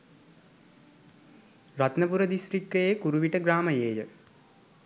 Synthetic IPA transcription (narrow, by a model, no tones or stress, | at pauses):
rat̪nəpuɾəd̪isʈrik̚t̪əjekuɾuʋiʈəɡɾaːməjeːjə